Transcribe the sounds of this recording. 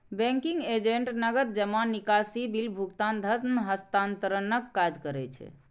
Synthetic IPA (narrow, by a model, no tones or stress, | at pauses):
bɛ̃ŋkiŋɡed͡ʒeɳʈnəɡət̪̚d͡ʒəmanːikasibilbʱukt̪and̪ʱət̪nɦəst̪ant̪əɾənəkːad͡ʒkəɾɛt͡ʃʰɛ̰